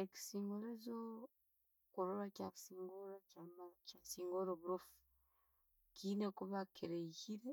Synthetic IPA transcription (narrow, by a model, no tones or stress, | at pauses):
eki̥siːŋɡoɾezo | koɾoɾacaksiːŋɡoɾacamacasiːŋɡoɾoβuɾofu̥ | kinekuβakʰeɾeihiɾe